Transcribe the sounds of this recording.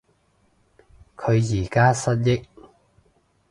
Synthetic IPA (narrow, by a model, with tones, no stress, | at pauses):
kʰɵ˨˧ɥjiː˨˩kaː˥sɐ˥t̚jɪ˥k̚